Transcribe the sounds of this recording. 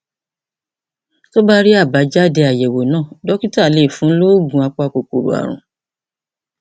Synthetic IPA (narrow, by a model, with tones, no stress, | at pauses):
to˦ba˦ɾi˦a˦˨ba˨˦d͡ʒa˦˨dɛ˧a˨jɛ˨wo˨nãː˦˨dɔ˨˦ki˦ta˦˨le˦˨fũ˨˦lo˦ɡũ˧˦a˧k͡pɔ˧a˧k͡po˨k͡po˨ɾo̰˨a̰˨ɾ̃ṵ̃˨